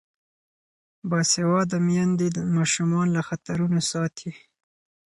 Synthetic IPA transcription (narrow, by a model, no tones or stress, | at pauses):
bɑsewɑd̪əmjɑnd̪emɑʃumɑnlaxat̪aɾunasɑt̪ʰi